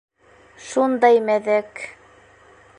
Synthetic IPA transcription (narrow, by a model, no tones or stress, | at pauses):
ʃund̪ɑjmæðæk